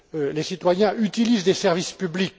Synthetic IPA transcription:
lesit̪wajɛ̃ʔyt̪ilizd̪esɛʁvispyblik

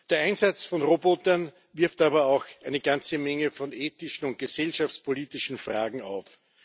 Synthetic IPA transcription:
d̥eːɐʔæɪnzat͡sfɔnʁobotɐn | vɪɐftaːbɐaʊxʔæɪnəɡ̥ant͡səmɛŋəfɔneːtɪʃn̩ʊnt̚ɡ̥əsɛlʃaft͡spʰoliːtɪʃn̩fʁa̰ːɡŋ̩a̰ʊf

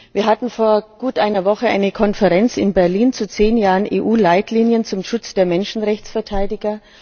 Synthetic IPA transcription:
viːɐɦatn̩foːɐɡ̥uːtʔaɪnɐvɔχəʔa̰ɪnəkʰɔnfəʁɛnt͡sɪnbɛɐliːnt͡sut͡seːnjaːʁənʔḛːʔuːlaɪtʰliːnjənt͡sʊmʃʊt͡sd̥eːɐmɛnʃn̩ʁɛçt͡sfɛɐtʰaɪdɪɡɐ

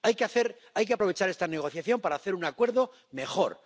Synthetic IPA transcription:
ajkeaθeɾ | ajk̬eapɾo̞e̞t͡ʃaɾe̞st̪ane̞ɣ̞o̞θjaθjo̞mpaɾaːθe̞ɾunakwe̞ɾðo̞ | me̞xo̞̰ɾ

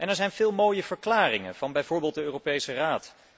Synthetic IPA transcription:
ʔɛnɛɹzɛjnvɪːlˠmoːjəvəɹklaːrɪŋə̰nv̥ɑnbɛjvʊːɹbeːlˠt̚dəøːropejsəraːt

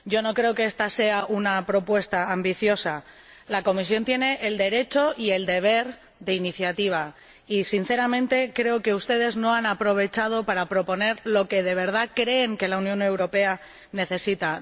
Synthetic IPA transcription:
ɟ͡ʝo̞no̞kɾe̞okeest̪ase̞aʔunapɾo̞pwe̞st̪aːmbiθjo̞sa | lako̞mis̬jo̞nt̪je̞ne̞ʔeld̪e̞ɾe̞t͡ʃo̞ʔie̞ld̪e̞β̞e̞ɾ | ðe̞iniθjat̪iβ̞a | isin̟θe̞ɾamẽ̞nt̪e̞kɾe̞oke̞ust̪e̞ð̞e̞zno̞anapɾo̞βe̞t͡ʃað̞o̞paɾapɾo̞po̞ne̞ɾlo̞ke̞ð̞e̞β̞e̞ɾð̞akɾe̞ːŋke̞launjõ̞ne̞wɾo̞pe̞a | ne̞θe̞sit̪a

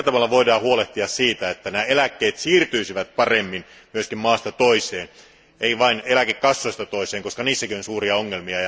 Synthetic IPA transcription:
æt̪ɑʋɑlːɑʋoidɑːhuoleht̪iɑssiːt̪æet̪ːænæːelækːeːt̪siːrt̪yisiʋæt̪̚pɑremːin | myøskimmɑːst̪ɑt̪oiseːn | eiʋɑinelækekːɑsːoist̪ɑt̪oiseːŋkoskɑniːsːækionsuːriɑoŋːelmiɑj

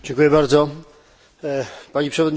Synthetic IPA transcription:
d͡ʑɛŋkujɛbaɾd̪zɔ | paɲipʂɛvɔd̪ɲ

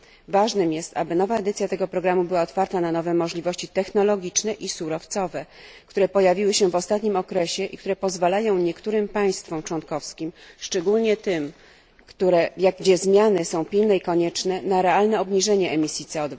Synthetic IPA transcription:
vaʐnɘmjɛst̪a̰bɘnɔvaɛd̪ɘt̪sʲjat̪ɛɡɔpɾɔɡɾamubɘwaɔt̪faɾt̪ananɔvɛmɔʐlʲivɔɕt͡ɕit̪ɛxnɔlɔɡʲit͡ʂnɛʔisuɾɔft̪sɔvɛ | kt̪uɾɛpɔjavʲiwɘɕɛvɔst̪at̪ɲimɔkɾɛɕɛʔḭk̚t̪uɾɛpɔzvalajɔ̃w̃ɲɛkt̪uɾɘmpaj̃st̪fɔmt͡ʂwɔnkɔfskʲimʂt͡ʂɛɡulɲɛt̪ɘm | kt̪uɾɛjaɡɡd͡ʑɛzmʲjanɘsɔ̃w̃pʲilnɛikɔɲɛt͡ʂnɛnaɾɛalnɛɔbɲiʐɛɲɛɛmʲisʲjit̪sɛɔd̪v

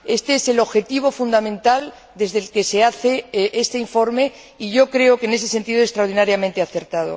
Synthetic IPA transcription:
e̞st̪eese̞lo̞βxe̞t̪iβ̞o̞fund̪amẽ̞nt̪al | d̪e̞zðelke̞se̞aθe̞ʔest̪eiɱfo̞ɾme̞ | iʝo̞kɾe̞okene̞s̬e̞se̞nt̪iðoest̪ɾaoɾð̞inaɾjamẽnt̪eaθe̞ɾt̪að̞o̰

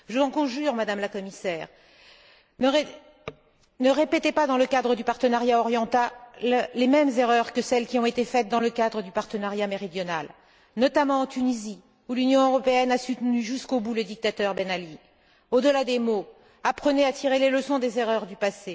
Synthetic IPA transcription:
ʒəzɑ̃kɔ̃ʒyʁmad̪amlakɔmisɛːʁ | e | nəʁepet̪epad̪ɑ̃ləkad̪ʁəd̪ypaʁt̪ənaʁjaɔʁjɑ̃t̪a | lemɛmzeʁœʁkəsɛlkʲiɔ̃et̪efɛt̪̚d̪ɑ̃ləkad̪ʁəd̪ypaʁt̪ənaʁjameʁid̪jɔnal | nɔt̪amɑ̃ːt̪ynizi | ulynjɔ̃øʁɔpeɛnasut̪nyʒyskobuləd̪ik̚t̪at̪œʁbenali | od̪əlad̪emo | apχəneat̪ʰiʁeleləsɔ̃d̪ezeʁœʁd̪ypase

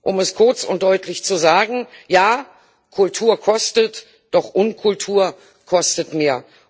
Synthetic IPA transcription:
ʔʊmɛskʰʊɐt͡sʊ̰ntd̥ɔʏtʰlɪçt͡suzaːɡŋ̩jaː | kʰʊltʰuːɐkʰɔstət | d̥ɔχʔʊnkʰʊltʰuːɐ | kʰɔstətmeːɐ

